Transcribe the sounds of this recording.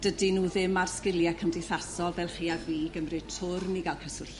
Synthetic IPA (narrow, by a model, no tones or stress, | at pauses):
d̥ədinuːðɪmarskɪljɛkʰəmdɪjθasɔlˠvɛlˠχiːaviːɡəmrɨtʰʊrniɡalˠkʰəsʊɬ